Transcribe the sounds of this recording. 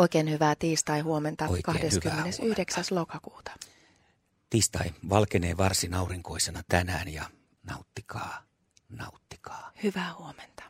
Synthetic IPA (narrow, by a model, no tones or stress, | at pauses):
oikeːnhyʋæːt̪iːst̪ɑihuoment̪ɑkɑhdeskymːenesyhdeksæslokɑkuːt̪ɑ̥ | t̪iːst̪ɑiʋɑlkeneːʋɑrsinɑuriŋkoisenɑt̪ænæːnjɑ | nɑ̰ut̪ːikʰɑː | nɑut̪ːi̥kɑ̥ːhyʋæːhuoment̪ɑ̥